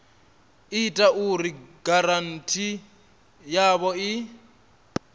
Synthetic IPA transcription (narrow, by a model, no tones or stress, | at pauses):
itʼaʔuriɡaɾan̩tʰʼi | jaβɔɪ